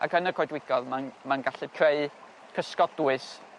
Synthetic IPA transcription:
a̰kənəkʰɔjdwɪɡ̥ɔðmanmanɡaɬɨkʰreɨ | kʰəskɔd̥uɨs

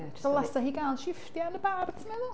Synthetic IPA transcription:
alˠɛsaɦiːɡalˠʃɪftjanəbardsʰmɛðʊ

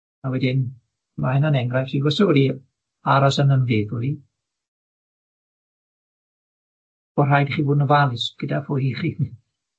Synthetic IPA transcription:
awɛdɪn | mahɛnanɛŋɡrajfsiɡɔsɔdi | aɾasənənvɪːðʊɾi | ɔr̥ajdχiːvʊːdnəvalˠɪsɡ̥ədafʊhiχii

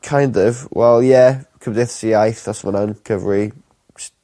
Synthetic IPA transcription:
kʰajndɔvwɛlˠjɛkʰəmdeθsiajθasmənankʰəvri | s

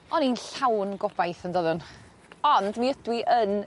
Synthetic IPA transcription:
ɔninɬawnɡɔb̥ajθəndɔðʊn | ɔndmiədwiʔən

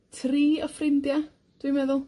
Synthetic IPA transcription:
tʰriːəfrɪndja | d̥wimɛðʊlˠ

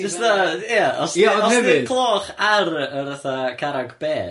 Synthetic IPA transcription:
dɔsðajaɔsaɔɛniɪkʰlˠoːχaɾəɾəθakʰaɾaɡb̥eː

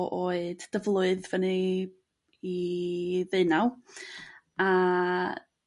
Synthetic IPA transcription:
ʔoɨdd̥əvlˠʊɨðvəni | i | ðɨɨnaw | a

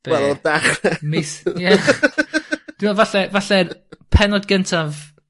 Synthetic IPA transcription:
b̥wɛlɔdaχɛmɪsjɛ | d̥iɛvaɬɛvaɬɛpʰɛnɔdɡəntʰav

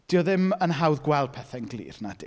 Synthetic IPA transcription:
d̥iːɔðɪmənɦawðɡwɛlˠd̥̚pʰɛθɛnɡlˠḭːrnad̥ɪ̰

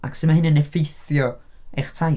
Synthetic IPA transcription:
ʔa̰ksɪdmahɪnənɛfejθjɔ | ɛχtʰaj

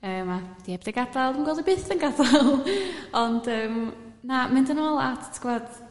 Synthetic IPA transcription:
əːmad̥iɛbdɪɡadaðəmɡwɛlˠdibɨːθənɡadalˠɔndəːm | namɨndənɔːlˠa̰tʰtʰɡ̥vɔd̥

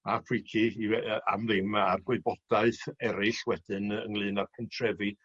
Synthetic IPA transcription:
apʰwɪkʰiia̰mðɪmarɡweɨbɔd̥aɨθɛɾɪɬwɛd̥ɨnəŋlˠɨːnarpʰɛntʰrɛvi

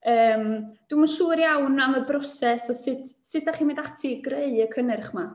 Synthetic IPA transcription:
əːmd̥wimaʃuːɾjawnaməbrɔsɛsɔsɪtʰsɪtaχiːnmendatʰiɡreɨəkʰənɛrχma

